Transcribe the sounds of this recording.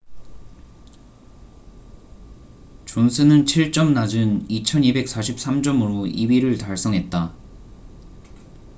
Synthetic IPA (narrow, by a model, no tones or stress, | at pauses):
t͡ɕomsʰɯnɯnt͡ɕʰiɭt͡ɕ͈ʌmnad͡ʑɯnit͡ɕʰʌnibe̞k̚s͈aɕʰip̚s͈amd͡ʑʌmɯɾoiɥiɾɯɭtaɭs͈ʌŋɦe̞t̚t͈a